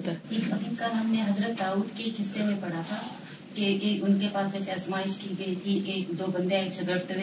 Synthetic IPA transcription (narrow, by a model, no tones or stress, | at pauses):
t̪ːeːkbɐkɪnkanaːmneɦɐzɾət̪̚d̪aːuːd̪kekɦɪsːemẽpɐɽ̤at̪ʰa | keeʊnkepaːsd͡ʒɛːseazmaːɪʃkiɡɐit̪ʰiʔeːkd̪oːbɐ̃nd̪eaːɪt͡ʃʰɐd̪əɽt̪ɦẽː